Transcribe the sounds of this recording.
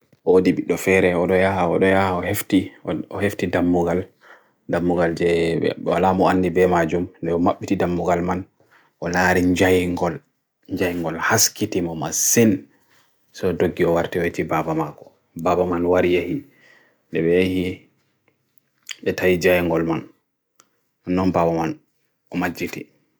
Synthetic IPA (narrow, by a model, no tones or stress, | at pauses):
ʔodibiɗːɔfɛɾɛɔɗɔjahaɔ̰ɗɔjahaɔheftiɔheftidamːuɡal | damːuɡald͡ʒɛɛ̰wa̰lamɔanːdibɛmad͡ʒumndɛɔmaɓːitidamːuɡalman | ʔɔlaɾiɲd͡ʒajŋɡɔl | ɲd͡ʒajŋɡɔlhaskitimɔmasin | sɔdoɡːiɔwaɾtɛwetibabamakɔ̥ | babamanwaɾijehi | ndɛbɛjahi | ɓɛtawid͡ʒajŋɡɔlman | anːɔnbabaman | ʔɔmad͡ʒːiti